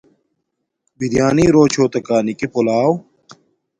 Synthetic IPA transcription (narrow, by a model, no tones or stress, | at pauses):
bʱid̪ijaːniːɾoːt͡ɕʰoːt̪ɐkaːnikepolaːw